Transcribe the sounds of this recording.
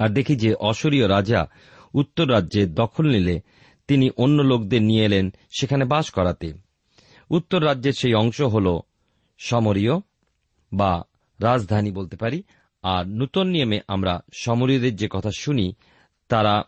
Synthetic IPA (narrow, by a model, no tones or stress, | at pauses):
aɾd̪ekʰid͡ʑeʔɔʃoɾioɾad͡ʑa | ut̪ːoɾːadːeɾd̪ɔkʰolnile | t̪iniʔonːolok̚d̪eɾnijelen | ʃekʰanebaʃkɔɾat̪e | ut̪ːoɾːad͡ʑːeɾʃejɔŋʃoɦolo | ʃɔmoɾio | ba | ɾad͡ʑd̪ʱanibolt̪epaɾi | aɾnut̪onːiomeʔamɾaʃɔmoɾiod̪eɾd͡ʑekɔt̪ʰaʃuni | t̪aɾa